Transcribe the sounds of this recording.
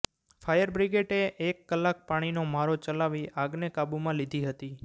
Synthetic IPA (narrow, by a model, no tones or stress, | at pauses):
fʰajəɾbɾiɡeʈeʔekːəlːak̚paɽ̃inomaɾot͡ʃəlaʋiaɡnekabumãlid̪ʱiɦət̪i